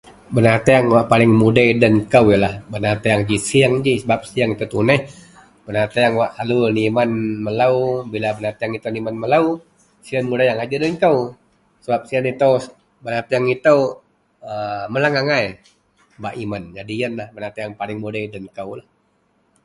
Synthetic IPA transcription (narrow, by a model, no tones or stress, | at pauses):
bənat̪ajaŋwaʔpalɪŋmudajdənkawjəlahbənat̪ajaŋd͡ʒisiaŋd͡ʒisəbap̚sijaŋit̪ət̪unəh | bənat̪ajaŋwaʔalunimanməlaubilabənat̪ajaŋit̪onimanməlau | sianmudajaŋad͡ʒadənkaw | səbap̚sianit̪əw | bənat̪ajaŋit̪əw | əməlaŋaŋaj | baʔimand͡ʒadijanlahbənat̪ejaŋpalɪŋmudajdənkawlah